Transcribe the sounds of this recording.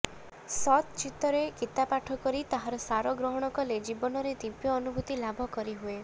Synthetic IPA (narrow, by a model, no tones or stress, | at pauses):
sɔt̪t͡ʃit̪ːɔɾekit̪apaʈʰɔkɔɾit̪aɦaɾɔsaɾɔɡɾɔɦɔɽ̃ɔkɔled͡ʒibɔnɔɾed̪ipjɔːnubʱut̪ilabʱɔkɔɾiɦue